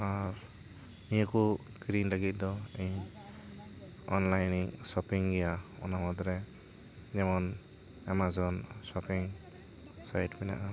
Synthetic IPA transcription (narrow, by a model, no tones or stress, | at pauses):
aɾ | nijɔku | ɡɾinlaɡit̪̚d̪ɔeɲ | ɔnlajniŋsɔpiŋɡɛjaɔ̰namɔd̪ɾɛ | d͡ʒɛmɔn | ɛmazɔnsɔpiŋ | sajtbɛna̰ʔa